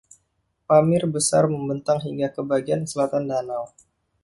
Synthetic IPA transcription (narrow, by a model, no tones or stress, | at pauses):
pamɪrbəsarməmbənt̪aŋɦiŋɡakəbaɡiansəlat̪andanaw